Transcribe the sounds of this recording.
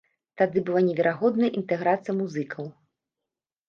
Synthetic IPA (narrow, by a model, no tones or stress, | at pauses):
t̪ad̪ɨbɨlˠanʲɛvʲɛɾaɣɔd̪nɐʔint̪ɛɣɾat̪sɨjɐmuzɨkʰɐw